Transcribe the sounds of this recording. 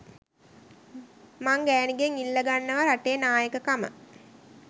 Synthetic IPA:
maŋɡæːniɡeŋilːəɡanːəʋəɾaʈejənaːjəkəkamə̰

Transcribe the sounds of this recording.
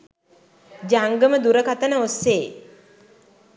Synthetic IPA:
d͡ʒaŋɡəməd̪uɾəkat̪ənəosːeː

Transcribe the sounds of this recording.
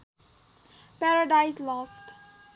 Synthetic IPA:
pɛɾəɖaɪslɔsʈ

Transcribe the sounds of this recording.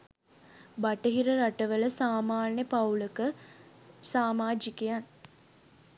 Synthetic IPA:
baʈəɦiɾəɾaʈəʋələsaːmaːnjəpawləkə | saːmaːd͡ʒikejan

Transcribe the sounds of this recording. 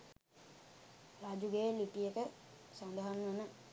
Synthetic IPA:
rad͡ʒuɡeːlipijekəsand̪əɦanːənə

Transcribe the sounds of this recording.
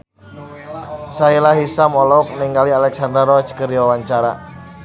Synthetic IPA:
sailaɦisamɔlɔk̚niŋɡalialɛksand̪ɾaɾɔt͡ʃkəɾiwawaɲt͡ʃaɾa̰

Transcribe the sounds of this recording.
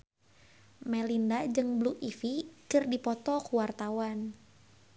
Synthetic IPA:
mɛlindad͡ʒɨŋbluʔifikɨrdipɔt̪ɔkuwart̪awan

